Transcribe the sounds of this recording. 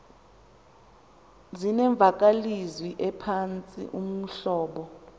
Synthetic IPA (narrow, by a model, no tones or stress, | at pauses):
zinɛɱb̪vʱak̬ʼalizwiʔɛpʰant͡sʼḭʔum̩ɬɔːɓɔ